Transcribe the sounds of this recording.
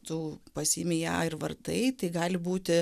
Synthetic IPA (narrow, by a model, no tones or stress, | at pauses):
t̪uːpɐsʲiːmʲɪjæːɪɾʋɐrt̪ɐɪt̪ɐɪɡɑːlʲɪbuːt̪ʲɪ